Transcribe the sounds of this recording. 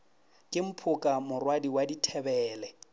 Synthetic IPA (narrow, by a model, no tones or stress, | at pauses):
kʼɪm̩pʰʊkʼamʊrwadiwaditʰɛbɛːlɛ